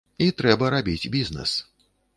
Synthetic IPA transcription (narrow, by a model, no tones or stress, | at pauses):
it̪ɾɛbɐɾabʲid͡zʲbʲiznɛ̰s